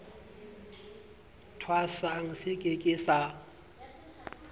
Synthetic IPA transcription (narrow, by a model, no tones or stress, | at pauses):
tʰwasaŋ̩sɪkʼekʼɪsa